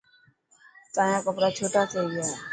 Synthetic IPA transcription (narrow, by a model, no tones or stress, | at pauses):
t̪ãːjãkəpɾat͡ʃʰoːʈasea